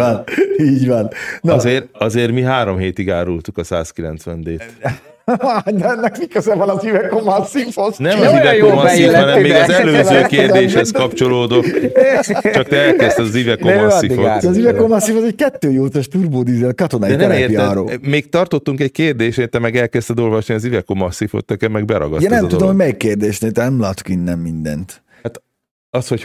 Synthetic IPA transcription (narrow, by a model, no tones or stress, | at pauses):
ɔniːɟʋɒnnɒzeːrɒzeːrmiɦaːɾomɦeːt̪iɡaːɾult̪ukɒsa̰ːskilɛ̰nt̪sʋɛnd̪eːt̪ | d̪ɛɛnːɛkmikøzɛvɒnɒzivɛkomasifoznɛmɔzivɛkomɔsifhɒnɛmmmːeːɡɒzɛløːzøːkeːrd̪eːʃhɛskɒpt͡ʃo̞loːd̪ok | t͡ʃɒk̚t̪ɛɛlkɛst̪ɛzivɛkoøsiioɛːzivɛkomɐsːifɒzɛɟkɛt̪ːøːjoːt̪ɛʃt̪urboːd̪izelkɒt̪onaiɛnɛɾɛmeːpiːɾo̰ːmeːk̚t̪ɒrt̪ot̪ːuŋkɛc̚keːrd̪eːʃeːt̪ɛmɛɡɛlkɛst̪ɛd̪o̞lvɒʃniɒzivɛkomɒsːifo̰t̪ːɛkɛmːɛɡbɛɾɒ̰ɡɒ̰ɟɛnɛmd̪udd̪omɦomɛikːeːrd̪eːʃneːlt̪ɛnɛmlaːt̪o̥kinːɛmːind̪ɛ̰nt̪ | at̪ | ɒshoc